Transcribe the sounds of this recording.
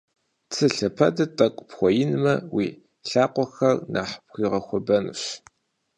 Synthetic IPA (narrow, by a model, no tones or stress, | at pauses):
t͡sʰɨɬɐpʰɐ̰dɐtʼɐkʷʼʊpxʷɔjɪnɨmɐwiː | ɬaːqʷɔxɐrnʔa̰ːħpxʷiːʁɐxʷɔbɐnṵɕ